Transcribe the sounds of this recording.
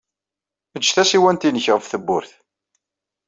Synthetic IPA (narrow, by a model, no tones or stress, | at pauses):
məd͡ʒːθæsiwænt̪inəçʁəvθəbːʊɾθ